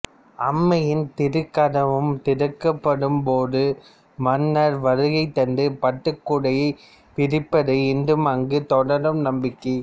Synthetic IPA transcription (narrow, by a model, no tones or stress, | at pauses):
ɐmːɐjɪnt̪ɪɾɯkːɐɽɐʋɯmt̪ɪɾɯkːɐpːɐɽɯmpoːðɯ | mɐnːɐɾʋɐɾɯɣɐɪt̪ːɐndɯpɐʈːɯkːʊɽɐjɐɪ | pɪɾɪpːɐðɯɪndɯmɐŋɡɯt̪ɔɽɐɾɯmnɐmbɪkːɐ